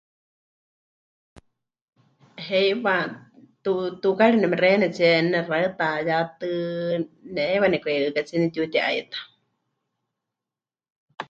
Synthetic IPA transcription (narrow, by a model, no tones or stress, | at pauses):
ɦɛjwat̪ut̪ukaɺinɛmɛrɛnɛt͡siɛnɛraɨt̪ajat̪ɨ | nɛɛwanɛkʷɛɨkat͡sinit̪jut̪ɛʔa̰it̪ḁ